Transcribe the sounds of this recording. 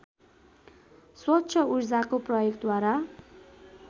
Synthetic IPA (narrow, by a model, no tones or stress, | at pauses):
swʌt̪ːɕʰʌurd͡zakoprʌjokd̪waɾa